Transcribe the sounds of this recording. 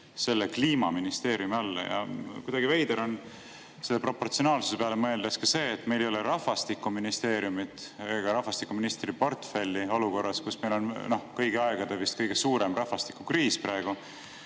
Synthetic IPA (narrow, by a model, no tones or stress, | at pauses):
se̞lːekliːmɑminist̪e̞ːɾijumiɑlːɑ̰jɑ̰kujd̪ɑɡ̥ivejd̪eɾo̞n | selːepro̞pːo̞rt̪sio̞nɑːlsu̥sepeɑlemɤe̞ld̪̥eskɑse̞ːt̪ːˑme̞jlejo̞leɾɑhfɑst̪ikːuminist̪e̞ːɾiumit̪eɡ̥ɑɾɑhfɑst̪ikːuminist̪ripo̞rt̪fe̞lʲːio̞luko̞rːɑskusme̞jlo̞nno̞hkɤjɡ̥eɑeɡ̥ɑd̪̥evist̪̚kɤjɡ̥e̞suːɾe̞mrɑhvɑst̪i̥kːˑukriːsprɑeɡ̥u